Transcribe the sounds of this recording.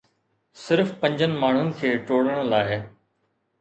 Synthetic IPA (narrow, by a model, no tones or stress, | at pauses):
sɪɾfpɐ̃ɲd͡ʑənɪ̆maːɳ̤ʊnɪ̆kʰeːʈoːɽəɽ̃laːɪ